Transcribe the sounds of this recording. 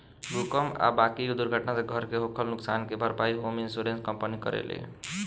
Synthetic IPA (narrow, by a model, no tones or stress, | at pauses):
ɾukəma̰bakid̪uɾɡʱəʈnaseɡʱəɾkeɦokʰəlnʊksankebʱəɾpaiɦominsuɾenskəmpənikə̰ɾḛlḛ